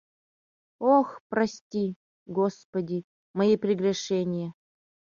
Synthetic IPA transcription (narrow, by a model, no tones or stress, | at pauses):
oxprɐsʲtʲi | ɡospɐdʲi | mɐipɾʲɪɡrʲɛʂɛnʲɪjə